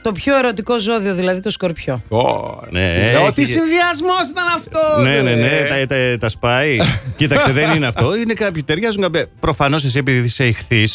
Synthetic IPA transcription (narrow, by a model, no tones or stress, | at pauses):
t̪o̞pço̞eɾo̞t̪iko̞zo̞ðio̞ðilɐðit̪o̞skoɾpço̞o̰nḛot̪isinðiɐzmosit̪ɐnɐft̪onnenenet̪ɐt̪ɐt̪ɐspɐicit̪ɐst̪eðenineɐft̪o̞inekɐpçit̪eɾʝɐzuŋkɐpɐpɾo̞fɐno̞s̬es̬ie̞piðiðiseixθis